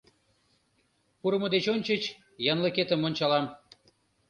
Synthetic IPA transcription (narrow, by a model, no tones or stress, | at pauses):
puɾəməd̪et͡ɕonʲt͡ɕət͡ɕ | jɑnləket̪ə̆monʲt͡ɕɑlɑm